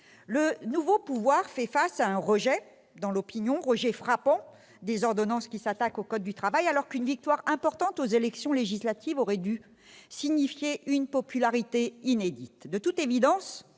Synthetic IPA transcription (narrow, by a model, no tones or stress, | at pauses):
lənuvopuvwaʁfɛfasaɛ̃ʁəʒɛ | d̪ɑ̃lɔpinjɔ̃ʁəʒɛfχapɑ̃ | d̪ezɔʁd̪ɔnɑ̃skʲisat̪akokɔd̪̚ːyt̪χavajalɔʁkynvik̚t̪waʁɛ̃pɔʁt̪ɑ̃t̪ozelɛksjɔ̃leʒislat̪ʰivɔʁɛd̪y | siɲifjeʔynpɔpylaʁit̪eined̪it̪d̪ət̪ut̪evid̪ɑ̃s